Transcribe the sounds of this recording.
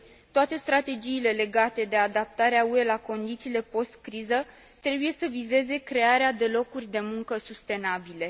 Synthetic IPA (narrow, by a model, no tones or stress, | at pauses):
t̪oat̪e̞st̪ɾat̪e̞d͡ʒiːle̞le̞ɡat̪e̞d̪e̞ad̪ap̚t̪aɾeaue̞lako̞nd̪it̪siːle̞po̞st̪kɾizə | t̪ɾe̞buje̞səvize̞ze̞kɾe̞aɾead̪e̞lo̞kurʲd̪e̞muŋkəsust̪e̞nabile̞